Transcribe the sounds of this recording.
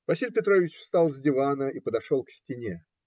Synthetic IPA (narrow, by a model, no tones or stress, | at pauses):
vɐsʲilʲpʲɪt̪ɾo̞vʲɪt͡ɕfst̪alˠzʲdʲɪvanəipəd̪ɐʂolˠksʲtʲɪnʲe